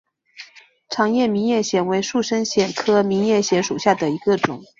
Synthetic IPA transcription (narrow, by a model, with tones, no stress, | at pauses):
ʈ͡ʂʰɑ˧˥ŋjɛ˥˩mi˧˥njɛ˥˩ɕjɛ˧˥nwe˧˥ɪʂu˥˩ʂə˥nɕjɛ˧˩nkʰɤ˥mi˧˥ŋjɛ˥˩ɕjɛ˧˥nʂu˨˩ɕja˥˩d̪ə˩i˧˥ɡə˧ʈ͡ʂʊ˨˩˦ŋ